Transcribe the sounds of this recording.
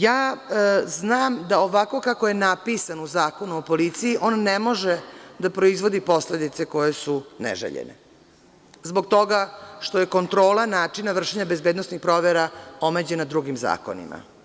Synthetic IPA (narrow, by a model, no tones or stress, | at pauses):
jaː | znaːmd̪aoʋako̞kakoje̞napisanuzaːko̞nuopo̞lit̪sijiʔo̞ːnːemo̞ʒed̪apɾo̞izʋo̞d̪ipo̞sled̪it̪se̞ko̞jesunḛʒḛʎḛnḛ | zbo̞ɡ̚t̪o̞ɡaʃt̪o̞je̞ko̞nt̪ɾo̞ːlˠanaːt͡ʂinaʋr̩ʃeɲabezbeːd̪nosnixpɾoʋeɾaomed͡ʑenad̪ɾuɡimza̰ːko̞̰nḭma̰